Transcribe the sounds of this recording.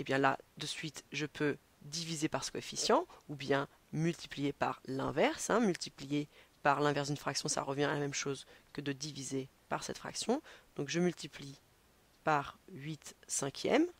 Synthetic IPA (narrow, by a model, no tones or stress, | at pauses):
ebjɛ̃la̰d̪əsɥit̪ʒəpʰø | d̪ivizepaʁsə̥kɔefisjɑ̃ubjɛ̃ | mylt̪i̥plijepa̰ʁlɛ̰̃vɛʁsɛ̃mylt̪iplijepaʁlɛ̃vɛʁsd̪ynfχaksjɔ̃sa̰ʁəvjɛ̃alamɛmʃozkəd̪əd̪ivizepaʁsɛ̰t̪fχa̰ksjɔ̃d̪̥ɔ̃kʒəmylt̪ipli | paʁɥit̪sɛ̃kʲʰjɛ̰m